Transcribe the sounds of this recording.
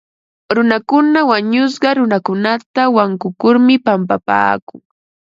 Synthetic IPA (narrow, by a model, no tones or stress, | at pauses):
ɾʊnakʊnawaɲʊs̬ɢɑɾʊnakʊnat̪awaŋkʊkʊɾmɪpampapa̰ːkʊŋ